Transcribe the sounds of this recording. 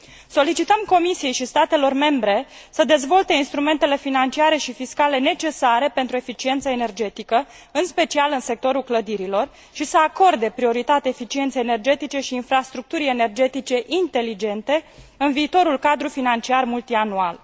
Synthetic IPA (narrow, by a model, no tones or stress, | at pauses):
so̞lit͡ʃit̪əmko̞misije̞jʃist̪at̪e̞lo̞rme̞mbɾe̞səd̪e̞zvo̞lt̪e̞inst̪ɾume̞nt̪e̞le̞finant͡ʃiaɾe̞ʃifiskale̞ne̞t͡ʃe̞saɾe̞pe̞nt̪ɾue̞fit͡ʃient̪səene̞rd͡ʒe̞t̪ikə | ɨnspe̞t͡ʃialɨnse̞k̚t̪o̞ɾulkləd̪iɾilo̞r | ʃisəako̞rd̪e̞pɾio̞ɾit̪at̪eefit͡ʃie̞nt̪sejene̞rd͡ʒe̞t̪it͡ʃe̞ʃiːnfɾast̪ɾuk̚t̪uɾie̞ne̞rd͡ʒe̞t̪it͡ʃe̞ʔint̪e̞lid͡ʒe̞nt̪e̞ɨnviːt̪o̞ɾulkad̪ɾufinant͡ʃiarmult̪ianual